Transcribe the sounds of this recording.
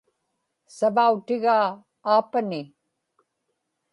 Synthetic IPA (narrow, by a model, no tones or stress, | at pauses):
sɐbawʈɪɣaː | pɐni